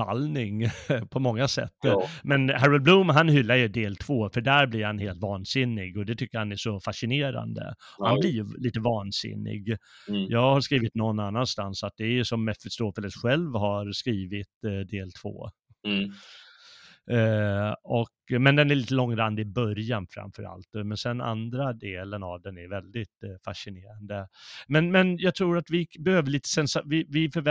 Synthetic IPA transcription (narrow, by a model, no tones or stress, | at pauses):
a̰lnɪŋpʰɔmɔŋːasɛ̰t̪ːmɛnhæɾəl̚bluːmɦanhʏlːaɾjɵd̪eːlt̪ʰv̥oːfœɖæɾblɪɾhanheːlt̪vɑːnsɪnːɪɡɔd̪ɛt̪ʰʏkːəɾhanæʂɔfaʂɪneːɾa̰nd̪ə̰hanblɪɾjliːt̪əvɑːnsɪ̰nːɪ̰ɡjɑːɡhaɾʂskɾiːvɪt̪nɔnːanːanst̪ansat̪̚d̪ɛæɾjɵsɔmːɛfɪst̪oːfɛləsɧɛlvhaɾskɾiːvɪt̪d̪eːlt̪ʰvo̰ː | ɔkmɛnd̪ɛnæɾɭiːt̪əlɔŋːɾand̪əɪbœɾjanfɾa̰mfœɾa̰lt̪mɛnsɛna̰nd̪ɾad̪eːləna̰vd̪ɛnæɾvɛld̪ɪt̪faʂɪneːɾand̪əmɛnmɛnjɑɡt̪ʰɾuːɾat̪vɪbɛhøːvəɭiːt̪ə̥sɛnsavɪvɪfœɾvɛ